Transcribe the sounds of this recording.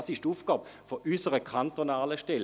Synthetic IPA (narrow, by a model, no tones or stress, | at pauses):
sɪʃtuːfɡ̥ɑːbfoʔysəʁəkʰantonaːləʃtɛl